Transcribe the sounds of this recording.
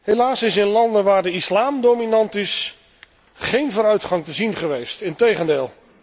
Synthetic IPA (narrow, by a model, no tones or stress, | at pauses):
ɦelaːsɪsɪnlɑndəʋaːɹdəislaːmdowminɑntɪs | χejnvʊːɾœɥtχɑŋtəzinχəʋejstɪntejχəndeːlˠ